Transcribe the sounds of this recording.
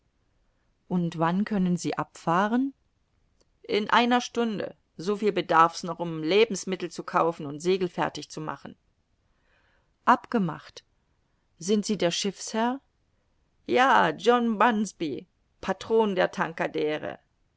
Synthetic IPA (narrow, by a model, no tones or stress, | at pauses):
ʔʊntv̥ankʰœnənziːʔapfaːʁən | ʔɪnʔaɪnɐʃtʊndə̰ | zofiːlbədaɐfsnɔχʊmleːbm̩smɪtl̩t͡sukʰaʊfn̩ʊntz̥eːɡl̩fɛɐtɪçt͡suma̰χn̩ | ʔapɡ̥əma̰χt | z̥ɪntz̥iːdeːɐʃɪfshɛɐ | jaːd͡ʒɔnbansb̥i | pʰatʁ̥oːndeːɐtʰaŋkadɛːʁə̰